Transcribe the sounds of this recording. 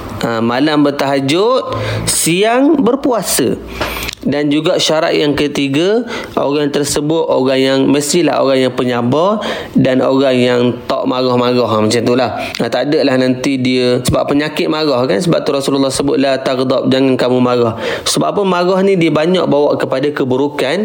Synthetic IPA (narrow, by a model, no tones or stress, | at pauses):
ʔəmalambərt̪aɦad͡ʒʊt̪̚siaŋbərpuasə̰ | dand͡ʒuɡaʔʃaɾa̰ʔ̪̚jaŋkət̪iɡəʔo̰ɣaŋt̪ərsəbʊt̪̚oɣaŋjaŋməsila̰ɦo̰ɣaŋjaŋpəɲabɔr | danoɣaŋjaŋt̪ɔ̰ʔmaɣɔhmaɣɔɦmat͡ʃamt̪ulahət̪adəʔlahnant̪idiəsəba̰pːəɲakɪt̪̚maɣɔhkansəba̰p̚t̪uɾɔsululːɔhsəbʊt̪̚laht̪akd̪ɔp̚d͡ʒaŋankamumaɣɔhsəba̰ʔpəmaɣɔhnidiəbaɲa̰ʔ̚bawaʔkəpadakəbuɾukan